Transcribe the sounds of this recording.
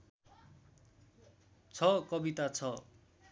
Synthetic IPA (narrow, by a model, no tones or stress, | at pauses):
t͡sʰʌkʌbit̪at͡sʰʌ